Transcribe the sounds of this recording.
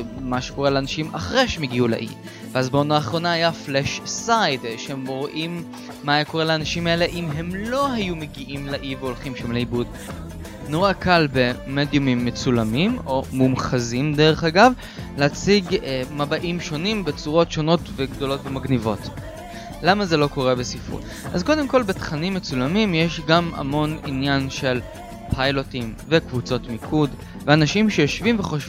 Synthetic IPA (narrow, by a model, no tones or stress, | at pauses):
maʃeko̞ʁeleanaʃima̰χʁeʃemeɡiula̰ʔḭ | veazbeonaːχʁo̞naːjafleʃsajdʃeemʁoʔimː | ajeko̞ʁeleaːnaʃimae̞le̞ʔimɦe̞mlo̞hajumeɡiʔimlaʔiveo̞lχimʃamleibud | noʁakalbe̞med̪jumimːet͡sulamimo̞mumχazimde̞ʁeχaɡav | leat͡siɡmabaʔimʃo̞nimbet͡suʁo̞tʃo̞no̞tveɡdo̞lo̞tvemaɡnivo̞t | lamaze̞lo̞ko̞ʁe̞besifṵt | ʔa̰zko̞de̞mko̞lbe̞tχanimːet͡sulamimjeʃɡama̰mo̞ninjanʃe̞l | pʰajlotimvekvut͡so̞tmikʰud | veanaʃimʃejoʃvimveχoʃ